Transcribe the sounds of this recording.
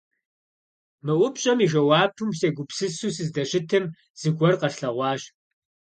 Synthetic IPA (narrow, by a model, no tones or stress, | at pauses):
mɨʔʷʊpɕʼɐmiʒɐwɑːtʰumseːɡʷʊpsɨsuːsɨzdɐɕɪtʰɨm | z̥ɨɡʷɔrqɐɬɬɐʁʷɑːʑ